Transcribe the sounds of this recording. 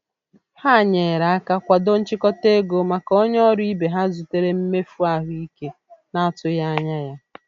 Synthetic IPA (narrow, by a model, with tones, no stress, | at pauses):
ha˦˨ɲe˨ɾa˨a˦ka˦kʷa˨do˦n̩˦t͡ʃɪ˦kɔ˦te˦ɡo˨ma˨kɔ˦ɲ˦ɔ˦ɾi˦be˨ɦa˦zu˨te˦ɾe˦m̩˦me˦fu˦a˦ɦʊ˦i˦ke˦ | na˦a˦˨tʊ˦ja˦a˦ɲa˦ja˦